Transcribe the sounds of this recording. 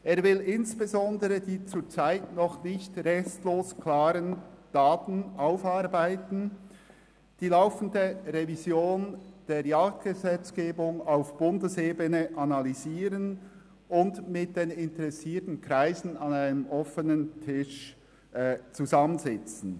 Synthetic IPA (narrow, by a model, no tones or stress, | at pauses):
ʔeːɐvɪlɪnsb̥ezɔndəʁədiːt͡suːt͡saɪtnɔχnɪçtʁɛstloːsklaːɾənd̥aːtn̩ʔaʊfaɾbaɪtn̩ | d̥iːlaʊfən̩dəʁɛvizjoːnd̥eːɾjaːk̚t̚ɡ̥əzɛt͡sɡ̥eːbʊŋaʊfb̥ʊndəseːbənəʔanaliziːɾʁən | ʊndmɪt̚d̥eːnɪntəʁɛsiːtn̩kʁaɪzn̩ɑnaɪnəmʔɔfənəntʰɪʃ | t͡suzɑmənzɛt͡sn̩